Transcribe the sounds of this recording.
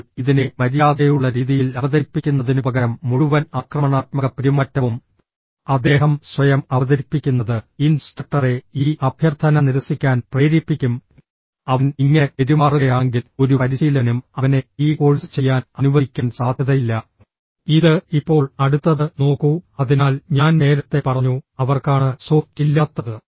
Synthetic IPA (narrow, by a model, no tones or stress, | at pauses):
iðinemɐɾijaːðejuɭːɐɾiːðijilɐʋɐðɐɾipːikʲːunːɐðinubɐɡɐɾɐmːuɻuʋɐnakrɐmɐɳaːt̪̚mɐɣɐpiɾimɐtːɐʋum | ɐd̪ːe̞ːɦɐmswɐjɐmɐʋɐðɐɾipːikʲːunːɐðɨinsʈɐk̚ʈːɐre̞iːʔɐbʱjɐrt̪ʰɐnɐniɾɐsikʲːaːnpreːɾipːikʲːum | ɐʋɐniŋːepeɾimaːruɣɐjaːŋɡilo̞ɾupɐɾiɕiːlɐnumɐʋɐne̞iːko̞ːɻsɨ̥t͡ɕe̞jːaːnɐnuʋɐikʲːɐnsaːd̪ʱjɐðɐjilːɐ | iðɨipːo̞ːɭɐɽut̪ːɐðɨno̞ːkːuɐðinaːlɲaːnne̞ːɾɐt̪ːe̞pɐrɐɲːuɐʋɐrkaːɳɨsoːftilːɐt̪ːɐðɨ